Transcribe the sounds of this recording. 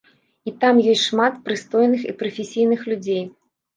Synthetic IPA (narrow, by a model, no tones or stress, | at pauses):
it̪amjɔsʲtʲʂmat̪pɾɨst̪ɔjnɨxḭpɾɐfʲesʲijnɨxlʲud͡zʲej